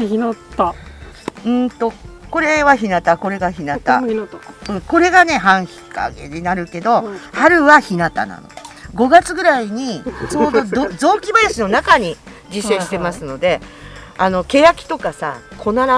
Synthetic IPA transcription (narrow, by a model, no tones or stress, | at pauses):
ɯ̟̃ːt̪o̞ko̞ɾe̞βaçinat̪ako̞ɾe̞ɡaçinat̪a̰ | ɯ̟̃ɴko̞ɾe̞ɡane̞ɦãɰ̃çi̥ka̰ɡḛɲinaɾɯ̟ke̞d̪o̞haɾɯ̟βaçinat̪a̰na̰no̰ɡo̞ɡat͡sɨɡɯ̟ɾaiɲ̟it͡ɕoːd̪od̪ozo̞ːkʲibajaɕino̞nakaɲ̟i | d͡ʑiseɕi̥t̪e̞masɨno̞d̪e̞ano̞ke̞jakʲi̥t̪o̞kasa̰kʰo̞naɾa